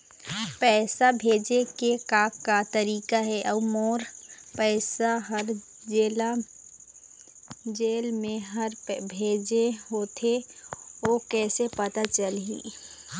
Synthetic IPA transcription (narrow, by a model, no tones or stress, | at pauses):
pɛːsabʱeːd͡ʒekekaːkːat̪əɾiːkaɦɛʔəːmoːɾpɛːsaɦəɾ | d͡ʒeːla | d͡ʒeːlmẽɦəɾbʱeːd͡ʒeɦoːt̪ʰe | oːkɛːsepət̪at͡ʃəlɦḭː